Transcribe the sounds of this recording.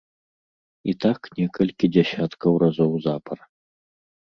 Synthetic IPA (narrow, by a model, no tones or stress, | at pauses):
it̪aknʲɛkɐlʲkʲid͡zʲasʲat̪kɐwrazɔwzapʰɐr